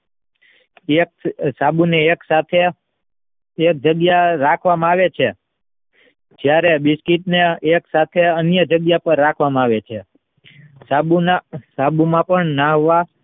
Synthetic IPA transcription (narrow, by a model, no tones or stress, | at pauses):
eksabuneːksat̪ʰe | k̚d͡ʒəɡjaɾakʰʋamãaʋet͡ʃʰe | d͡ʒjaɾebɪskitneːksat̪ʰeənjəd͡ʒəɡjapəɾːakʰʋamãaʋet͡ʃʰe | sabunasabumãpəɳnaɦoʋa